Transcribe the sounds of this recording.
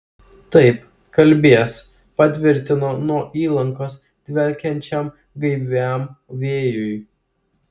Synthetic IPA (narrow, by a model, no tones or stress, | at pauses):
t̪ɐɪp | kɐlʲbʲeːɛs | pɐt̪ʲʋʲɪɾʲt̪ʲɪnoːnuɔʔiːlˠɐŋkoːs | d̪̥ʲʋʲɛlʲkʲɛnʲt͡ʃʲɛm | ɡɐɪʋʲæˑmʋʲeːjʊj